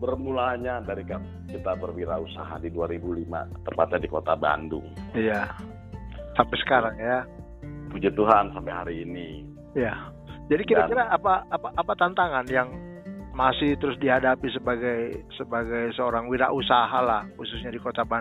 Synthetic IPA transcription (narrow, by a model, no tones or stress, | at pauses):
bərmulaɲadaɾika | kit̪abərwiɾausa̰ɦa̰diduaɾibulima̰t̪əmpat̪̚ɲadikot̪aba̰ndʊ̰ŋija | sampɛsə̥kaɾaŋja | pud͡ʒat̪uɦansampɛɦaɾiːni | ija | d͡ʒadikiakiɾaːpaːpaʔːpat̪ant̪aŋanjaŋ | masɪht̪əɾʊsdiɦadapisəbaɡajsəbaɡajsəoɾaŋwiɾa̰ʔusaɦalahxusʊsɲadikot̪aba